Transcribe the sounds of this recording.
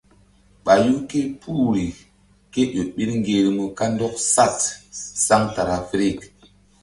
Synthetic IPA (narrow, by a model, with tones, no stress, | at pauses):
ɓa˨ju˦ke˦pʰu˦ɾi˨ | ke˦ɗo˨ɓi˦ɾŋ˦ɡe˨ɾmu˨ka˦ndɔ˦k̚sa˦tsa˦ŋta˨ɾa˨fɾi˦˨k